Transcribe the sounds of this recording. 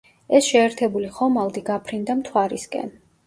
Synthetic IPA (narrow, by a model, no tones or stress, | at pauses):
ɛsʃɛːɾt̪ʰɛbuliχɔmalˠd̪iɡapʰɾind̪amt̪ʰwaɾiskʼɛ̰n